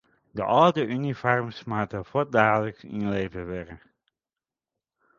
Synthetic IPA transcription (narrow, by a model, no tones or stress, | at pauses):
də̰ʔɑlˠdəʔynifɔrmsmaːtəfɔdaːdələksɪ̰nlejvəʋɛrə